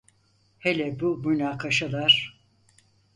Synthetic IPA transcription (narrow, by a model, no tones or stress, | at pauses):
helʲɛbumynaːkʰaʃalˠaɾ̥